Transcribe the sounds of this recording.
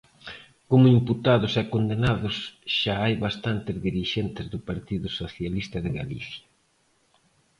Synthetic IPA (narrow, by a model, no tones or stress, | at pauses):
komʊimput̪aðʊsɛkond̪enaðʊsʃaajβast̪ant̪ɪzðiɾiʃent̪ɪzðʊpaɾt̪iðʊsoθjalist̪ɐðɪɣa̰lḭθjɐ